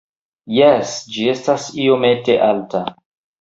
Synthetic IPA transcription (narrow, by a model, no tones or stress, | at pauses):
jesd͡ʒie̞stasiomete̞ʔalta